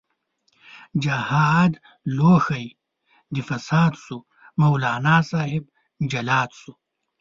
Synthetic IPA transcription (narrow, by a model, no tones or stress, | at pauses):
d͡ʑɐhad̪ | loːxɐj | d̪ifɐsaːd̪su | mɐwlaːnaːsaːɦib̚ | d͡ʑɐlaːt̪su